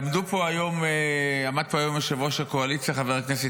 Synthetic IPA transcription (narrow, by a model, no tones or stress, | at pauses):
md̪upo̞ajo̞mamad̪̚poajo̞meʃevoʃakoalit͡sjaχaveʁaknese